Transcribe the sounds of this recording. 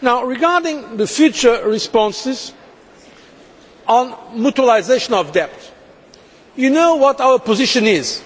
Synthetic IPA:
naʊɹɪɡaɹdɪ̃ŋðəfjʉt͡ʃə˞ɹɪspɔ̃nsɪz | ɔ̃nmutwəlˠaɪzeɪʃə̃nɔvdɛp̚t | jɨnoʊwɔɾawəpəzɪʃɨ̃nɪz̥

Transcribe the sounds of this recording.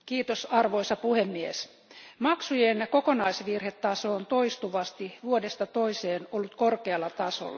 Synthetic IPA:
kiːt̪osɑrʋoisɑpuhemːies | mɑksujenkokonɑisʋirhet̪ːɑsont̪oist̪uʋɑst̪iʋuodest̪ɑt̪oiseːnolːut̪korkeɑlːɑt̪ɑso̰lːɑ

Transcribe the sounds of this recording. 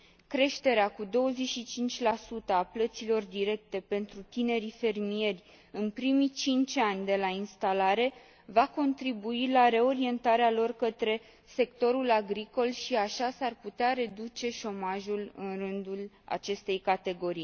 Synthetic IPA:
kɾe̞ʃt̪e̞ɾeakud̪o̞wəzeʃit͡ʃint͡ʃʲlasut̪əaplət̪silo̞rd̪iɾe̞k̚t̪e̞pe̞nt̪ɾut̪ine̞ɾife̞rmie̞rʲ | ɨnpɾimit͡ʃint͡ʃanʲd̪e̞lainst̪alaɾe̞ | vako̞nt̪ɾibuilaɾe̞o̞ɾie̞nt̪aɾealo̞rkət̪ɾe̞ | se̞kt̪o̞ɾulaɡɾiko̞lʃiaʃasarput̪eaɾe̞d̪ut͡ʃe̞ʃo̞maʒulɨ̰nrɨnd̪ul | a̰t͡ʃe̞st̪e̞jkat̪e̞ɡo̞ɾij

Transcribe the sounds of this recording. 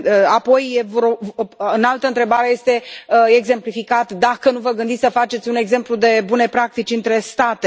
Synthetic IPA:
apo̞jevɾoɨnalt̪əɨnt̪ɾebaɾe̞je̞st̪e̞e̞ɡze̞mplifikat̪d̪akənuvəɡɨnd̪it̪sʲsəfat͡ʃe̞t̪sʲune̞ɡze̞mplud̪e̞bune̞pɾak̚t̪it͡ʃʲɨnt̪ɾe̞st̪at̪e

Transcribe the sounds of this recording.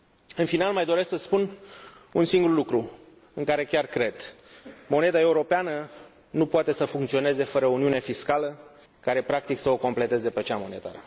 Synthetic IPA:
ɨnfinalmajd̪o̞ɾe̞sksəspununsiŋɡurlukɾu | ɨŋkaɾe̞kʲarkɾe̞d̪̥mo̞ne̞d̪ae̞uɾo̞peanə | nupoat̪e̞səfuŋkt̪sio̞ne̞ze̞fəɾəouniune̞fiskalə | kaɾe̞pɾak̚t̪iksəo̞ko̞mple̞t̪e̞zepet͡ʃamo̞ne̞t̪a̰ɾə

